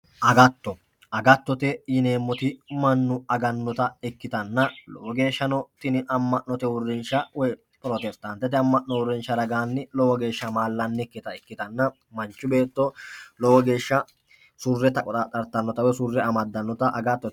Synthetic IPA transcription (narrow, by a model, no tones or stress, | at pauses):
ʔɐɡɐt̪ːɔ | ɐɡɐt̪ːɔt̪ɛjɪne̞ːmːɔt̪ɪmɐnːʊɐɡɐnːɔt̪ɐɛkːɪt̪ɐnːɐlɔ̰wɔɡe̞ːʃːɐnɔt̪ɪnɪʔɐmːɐʔnːɔt̪ɛwʊrːɪnʃɐwɛj | pʼɾoːt̪ɛst̪ɐnt̪ːɛt̪ɛɐmːɐʔnːɔwʊrːɪnʃːɐd̪ɐɡaːnːɪlɔwɔɡe̞ːʃːɐmaːlːɐnːɛkːɪt̪ɐɛkːɪt̪ɐnːɐ | mɐnt͡ʃːʊbe̞ːt̪ːɔlɔwɔɡe̞ːʃːɐ | sʊrːɛt̪ɐkʼɔt̪ɐt̪ʼɐɾt̪ːɐnːɔt̪ɐwɛsʊrːɛɐmɐd̪ːɐnːɔt̪ɐʔɐɡɐt̪ːɔ